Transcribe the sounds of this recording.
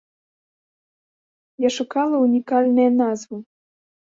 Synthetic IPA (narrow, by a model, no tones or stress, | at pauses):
jaʃukɑlˠɐunʲikɑlʲnɨjɐnɑzvu